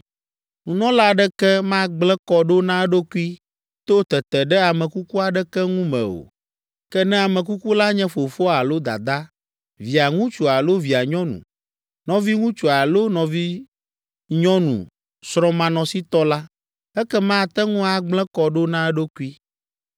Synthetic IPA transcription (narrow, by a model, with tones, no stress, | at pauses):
ŋũ˨nɔ̃˦la˦ɖɛ˦kɛ˦mã˦ɡ͡blɛ̃˦kɔ˨ɖo˦nã˦ɖo˦ku˦i˦ | t̪o˦t̪ɛ˨t̪ɛ˨ɖɛ˦a˨mɛ̃˨ku˦ku˦a˨ɖɛ˦kɛ˦ŋũ˦mɛ̰̃˨o̰˨ | kɛ˦nɛ̃˦a˨mɛ̃˨k̬u˦ku˦la˦ɲɛ̃˦fo˨fo˦a˨lo˦d̪a̰˨d̪a˦ | vi˨a˨ŋũ˦t͡ʃo˨a˨lo˦vi˨a˨ɲɔ̃˦nṵ̃˨ | nɔ̃˦vi˦ŋũ˦t͡ʃo˨a˨lo˦nɔ̃˨vi˦ | ɲɔ̃˦nṵ̃˨ | sɾɔ̃˦mã˨nɔ̃˨si˦t̪ɔ˦la˦ | ɛ˦kɛ˦mã˦˨t̪ɛ˦ŋũ˦a˨ɡ͡blɛ̃˦kɔ˨ɖo˦nã˦ɖo˦ku˦i˦